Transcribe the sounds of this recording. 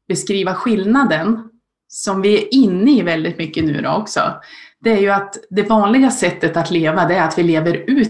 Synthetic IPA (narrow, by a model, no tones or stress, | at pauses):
b̥ɛskɾiːvaɧɪlnad̪ən | sɔmvɪɛɾɪnːəɪvɛld̪ɪt̪mʏkːənʉ̟ːɾɔ̰ɔksɔ̰d̪̥ɛæɾjɵat̪d̪ɛvɑːnlɪɡasɛt̪ːət̪at̪ʰleːvad̪ɛːɾat̪vɪleːvəɾʉ̟ː